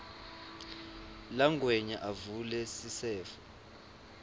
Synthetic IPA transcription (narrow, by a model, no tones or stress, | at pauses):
laŋɡʱwɛɲaʔavulɛsisɛːfɔ